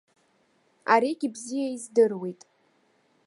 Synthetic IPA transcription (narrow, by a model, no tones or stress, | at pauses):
aɾiɡʲibzijaizdɨrwejtʼ